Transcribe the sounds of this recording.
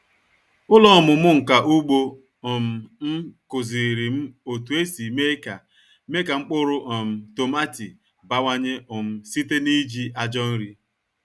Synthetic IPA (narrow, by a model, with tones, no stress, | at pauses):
ʊ˦lɔ˦˨mʊ˨mʊ˦ŋ̩˨ka˨ʔu˦ɡ͡bo˦ | ɔ˨m̩˨m̩˦kʊ˨zi˨ɾi˨m̩˦o˨tu˨e˦si˨me˦ka̰˨ | me˦ka˨ŋ͡m̩˦k͡pʊ˦ɾʊ˦ʔɔ˨m̩˨to˨ma˦tḭ˨ | ba˦wa˦ɲe˦ʊ˨m̩˦si˦te˦ni˦d͡ʒi˦ʔa˦d͡ʒɔ˦n̩˦ɾi˦